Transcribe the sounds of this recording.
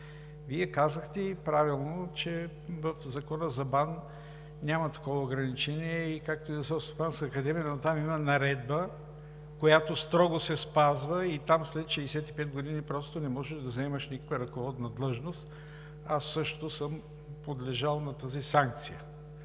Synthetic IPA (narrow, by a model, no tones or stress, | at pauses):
viɛkazəxt̪ɛpɾavilˠnot͡ʃɛ | vɐfzɐkɔnəzɐban | nʲamɐt̪ɐ̥kɔvɐʊɡɾɐnit͡ʃɛniɛikak̚t̪ʊizɐsɛst̪opanskəːkɐd̪ɛmijənot̪amimɐnɐɾɛd̪̚bə | kojat̪ost̪ɾɔɡosɛspazvəit̪amslɛt̪ʃɛisɛt̪ipɛd̪̚ɡod̪inipɾɔst̪onɛmɔʒɛʒd̪ɐzɐɛməʃnikə̥kvəɾɐkovɔd̪nɐd̪lˠɤʒnost̪ | asːɤʃt̪t̪osəm | pod̪lɛʒalˠnɐt̪azisaŋk̚t̪sijə